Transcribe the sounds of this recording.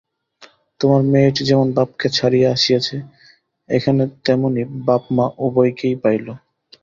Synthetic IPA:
t̪omaɾmeʈd͡ʑɛmonbap̚ket͡ɕʰaɾijeaʃijet͡ɕʰe | ḛkʰanet̪ɛmonibapmaʔubojkejpajlo

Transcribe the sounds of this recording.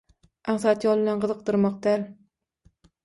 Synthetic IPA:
ʔaχsat̪jɒlˠlanqɨzɨq̚d̪ɨɾmɒq̚t̪aɾ

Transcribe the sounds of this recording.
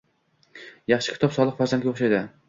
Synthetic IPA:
jɑχʃɪ̥kʲʰt̪ʰɒpsɒlˠɨqfæɾzand̪ɡʲaoχʃajd̪ɪ

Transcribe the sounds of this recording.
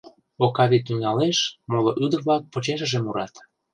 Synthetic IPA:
okɑβit̪yŋɑleʃmoloʔyd̪ərβlɑk̚pot͡ɕeʃə̆ʒemuɾɑt̪

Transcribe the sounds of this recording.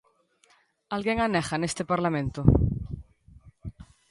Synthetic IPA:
alɣjeŋanexanest̪epaɾlamẽnt̪o

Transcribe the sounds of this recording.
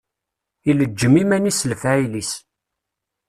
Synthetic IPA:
iləd͡ʒːəmimænisəlfæʕilis

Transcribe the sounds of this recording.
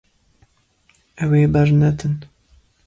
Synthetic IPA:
ɛweːbɐɾnɛt̪ʰɨn

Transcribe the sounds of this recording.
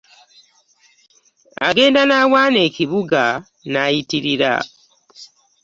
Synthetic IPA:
a̰ɡe̞ːndanaːwaːne̞ːciβuɡa | najitiɾiɾa̰

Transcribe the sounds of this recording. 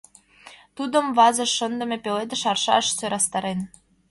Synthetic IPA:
t̪ud̪ə̆mβɑzə̆ʃːənd̪ə̆mʲepeled̪ə̆ʃɑrʃɑ̰ʃt͡søɾɑst̪ɑɾen

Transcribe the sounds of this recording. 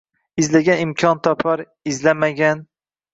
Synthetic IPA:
ɪzlaɡʲanɪmkʲʰɒnt̪ʰɒpʰaɾ | ɪzlamaɡʲan

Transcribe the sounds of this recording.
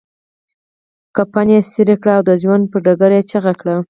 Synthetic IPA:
kapanjesiɾekɽaːwd̪əʒwand̪̚pəɖaɡaɾjet͡ʃaɣakɽa

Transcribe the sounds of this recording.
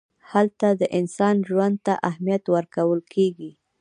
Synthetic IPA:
halt̪ad̪əʔɪnsɑnʒwand̪̚t̪aʔahmijat̪wəɾkawəlkʰeɡi

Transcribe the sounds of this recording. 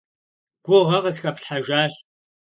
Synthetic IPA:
ɡ̥ʷʊʁɐʁɐsxɐpɬħaʒaːɕ

